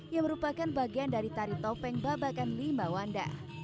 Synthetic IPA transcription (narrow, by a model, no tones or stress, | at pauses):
jaŋməɾupakanbaɡiandaɾit̪aɾit̪ɔpɛŋbabakanlimawanda̰